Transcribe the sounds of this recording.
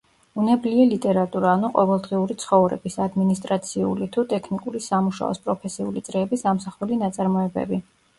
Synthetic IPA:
unɛbliɛlit̪ʼɛɾat̪ʼuɾaːnuqʼɔvɛlˠd̪ʁiuɾit̪sʰχɔvɾɛ̰bisad̪minist̪ʼɾat̪sʰiṵlit̪ʰut̪ʼɛkʰnikʼuɾisamuʃa̰ɔ̰spʼɾɔpʰɛsiṵlit̪sʼɾɛːbisamsaχulinat̪sʼaɾmɔɛbɛ̰bi

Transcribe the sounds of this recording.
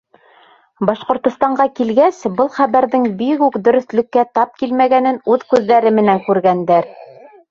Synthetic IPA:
bɑʃqŏɾt̪ŏst̪ɑɴɢɑkilɡæsbɤlˠχæβæɾðɘŋbikʉkd̪ɵ̆ɾɵ̆θlɘ̆kːæt̪ɑp̚kilmæɡænɘnʉðkʉðːæɾɘmɘ̆næŋkʉɾɡænd̪æɾ

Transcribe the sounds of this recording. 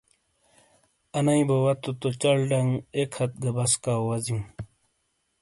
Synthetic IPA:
ɐnɐĩbɐwɐt̪ot̪ot͡ɕɐɭɖɐŋɡekʰɐt̪̚ɡɐbɐskaːwɐzim

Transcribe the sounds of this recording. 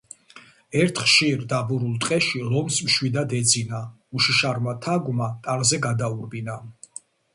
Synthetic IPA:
ɛɾt̪ʰχʃiɾd̪abuɾulˠt̪ʼqʼɛʃilɔmsmʃwid̪ad̪ɛd̪zina | uʃiʃaɾmat̪ʰaɡmat̪ʼaɾzɛɡad̪auɾbina

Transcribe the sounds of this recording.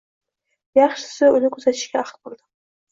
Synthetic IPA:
jɑχʃɪ̥sɪʊlɪkʲʰɵzat̪ʰɪ̥ʃɡʲaɑχt̪bolˠd̪ɪ

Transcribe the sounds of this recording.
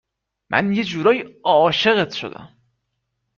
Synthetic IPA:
mʔæ̰nje̞d͡ʒuːɾɒːjiɒːʃeɣet̪ʰʃo̞̰d̪æ̰m

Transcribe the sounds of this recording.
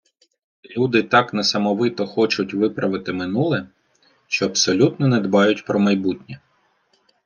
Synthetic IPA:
lʲud̪ɪt̪ɑknɐsɐmɔʋɪt̪ɔxɔt͡ʃʊtʲʋɪpɾɐʋɪt̪ɪmɪnulˠɛ | ʃt͡ʃɔɐbsɔlʲut̪nɔnɛd̪bɑjʊtʲpɾɔmɐjbutʲnʲɛ

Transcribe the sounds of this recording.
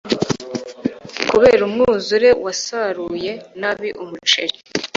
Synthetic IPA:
kuβe̞ːɾumŋuːzuɾe̞wasaɾuje̞naβiʔumut͡ʃe̞ɾi

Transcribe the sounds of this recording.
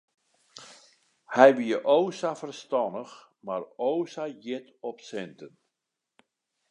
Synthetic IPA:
hɛjʋiəʔoːsafərstɔnəx | maroːsajɪtɔpsɛntən

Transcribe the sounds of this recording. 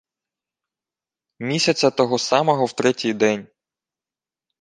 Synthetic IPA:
mʲisʲɐt͡sʲɐt̪ɔɦɔsɑmɔɦɔwt̪ɾɛtʲijd̪ɛnʲ

